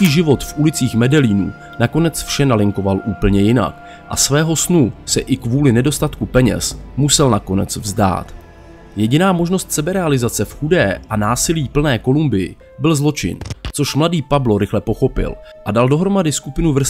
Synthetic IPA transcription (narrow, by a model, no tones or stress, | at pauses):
iːʒɪvo̞t̪fʔulɪt͡siːxmɛdɛliːnṵː | nako̞nɛt͡sfʃɛnalɪŋko̞valʔuːpl̩ɲɛjɪna̰k | ʔa̰svɛːɦo̞snusɛʔɪkvuːlɪnɛdo̞st̪at̪kupɛɲɛ̰smusɛlnako̞nɛ̰t͡svzda̰ːt̪ | jɛɟɪnaːmo̞ʒno̞st̪sɛbɛɾɛalɪzat͡sɛfxudɛːʔanaːsɪliːpl̩nɛːko̞lumbɪjɪ̰ | bɪlzlo̞t͡ʃɪ̰nt͡so̞ʃmladiːpablo̞ɾɪxlɛpo̞xo̞pɪ̰lʔadaldo̞ɦɾo̞madɪskupɪnuvr̩